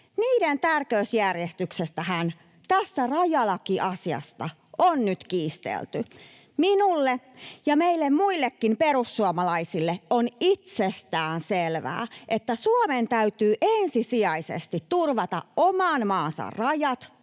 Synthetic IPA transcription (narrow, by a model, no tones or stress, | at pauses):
niːdent̪ærkøysjærjest̪yksest̪æhæn | t̪æsːærɑjɑlɑkiʔɑsiɑ̰st̪ɑ | ʔonnyt̪kiːst̪ḛlt̪y | minulːejɑmeilːemmuilːekːimperusːuomɑlɑisilːeonit̪sest̪æːnselʋæ̰ːʔet̪ːæsuoment̪æyt̪yːʔensisiɑisḛst̪it̪tːurʋɑt̪ɑ̰ʔomɑːnmɑːnsɑ̰rrɑjɑt̪